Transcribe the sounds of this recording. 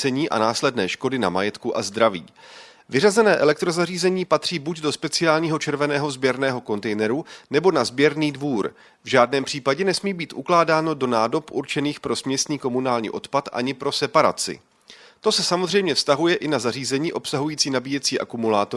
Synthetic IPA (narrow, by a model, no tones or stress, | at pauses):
ɛɲiːʔa̰naːslɛdnɛːʃko̞dɪna̰majɛt̪kuʔazd̪ɾavḭː | vɪrazɛnɛːʔɛlɛk̚t̪ɾo̞zariːzɛɲiːpat̪r̝̥iːbucdo̞spɛt͡sɪaːlɲiːɦo̞t͡ʃɛɾvɛnɛːɦo̞zbjɛɾnɛːɦo̞ko̞nt̪ɛjnɛɾunɛbo̞nazbjɛɾniːdvuːɾ | vʒaːdnɛːmpr̝̥iːpaɟɛnɛsmiːbiːt̪ʔuklaːdaːno̞do̞naːdo̞pʔuɾt͡ʃɛniːxpɾo̞smɲɛst̪niːko̞munaːlɲḭːʔo̞t̪pat̪ʔa̰ɲɪpɾo̞sɛpaɾa̰t͡sɪ̰ | t̪o̞sɛsamozr̝ɛjmɲɛfst̪aɦujɛʔɪnazar̝iːzɛɲiːʔo̞psaɦujiːt͡siːnabiːjɛt͡siːʔa̰kumulaːt̪o